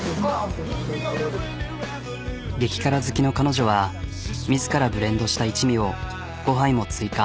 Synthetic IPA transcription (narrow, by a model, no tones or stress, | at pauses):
ɡe̞kʲi̥kaɾazɨkʲino̞kano̞ʑo̞β̞a | mʲizɨkaɾabɯ̟ɾẽ̞nd̪o̞ɕi̥t̪ait͡ɕimʲio̞ | ɡ̥o̞ɦãĩmo̞t͡sɨika